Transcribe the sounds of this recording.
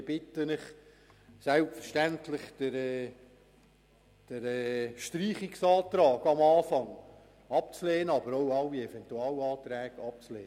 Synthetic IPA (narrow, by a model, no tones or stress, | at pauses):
b̥ɪtənɪχ | sælpfəɾʃtæntlɪχd̥əɾɛː | d̥əɾɛʃtɾiːχiksɑːt̪ɾɑːɡɑmɑːfɑŋ | ɑpt͡slɛːnəɑbəɾoʊɑlːiɛfɛnt̪uɑːlɑːtɾɛːɡ̥ɑp̚t͡slḛːnə